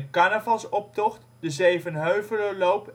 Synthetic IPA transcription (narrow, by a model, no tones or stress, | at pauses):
əkɑnəvɑlˠsɔp̚tɔχt | dəzejvənɦøɥvələlowp